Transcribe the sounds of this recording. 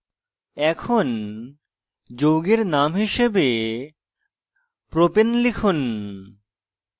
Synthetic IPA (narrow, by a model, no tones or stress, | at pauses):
ɛkʰon | d͡ʑowɡeɾnamɦiʃebe | pɾopenlikʰun